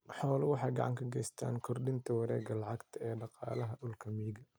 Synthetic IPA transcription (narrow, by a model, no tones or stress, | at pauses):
ħɔːlʊwɑħɑːjɡɑ̰ʕɑ̰ŋkʰɐɡɛjst̪ʰa̰ːnkʰɔrɗɪnt̪ʰɐwɑɾɛːɡɐlɑʕɑɡt̪ʰɐɛːɖɑqɑ̰ːlɐɦɐɗʊlkʰɐmiɡɐ